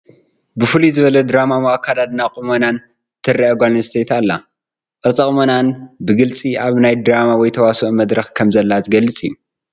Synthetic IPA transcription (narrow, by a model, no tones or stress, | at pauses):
bɨfɨlizɨβɐlɐd̪ɾamamoakʰːad̪ad̪nakʼumonan | t̪ʰɨrːɐʔɐɡʷalnst̪ʰet̪alːa | kʼɐt͡sʼɐkʼmonanbɨɡɨlt͡sʼiʔaβnajd̪ɾamawɔjt̪ʰɐwasoʔmɐd̪ɾɐxkʰɐmzɐlːazɨɡɐlːɨt͡sʼijːu